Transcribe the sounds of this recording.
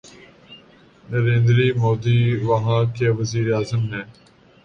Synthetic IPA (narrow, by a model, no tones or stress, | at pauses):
nəɾẽːnd̪ɾiːmoːd̪iːʋəɦãːkeːʋəziːɾeaːzəmɦɛ̃ː